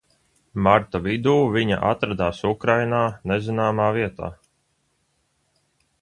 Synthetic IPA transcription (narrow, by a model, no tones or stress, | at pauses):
maɾt̪avid̪uːviɲa̰ʔa̰t̪ɾad̪aːsukɾajnaːnezinaːmaːviɛt̪a̰ː